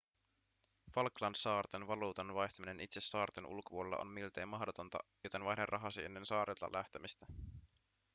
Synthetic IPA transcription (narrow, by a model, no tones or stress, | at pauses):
fɑlklɑnsɑːrt̪enʋɑluːt̪ɑnʋɑjçt̪ɑmine̞nit̪se̞sːɑːrt̪enʔṵlkopuolelːɑ̰ʔo̰nmilt̪ejmɑhdo̞t̪o̞nt̪ɑ̰jo̞t̪e̞nʋɑjderʔɑɦɑsienːe̞nsɑːɾʔet̪ːɑ̰lʔæht̪emist̪æ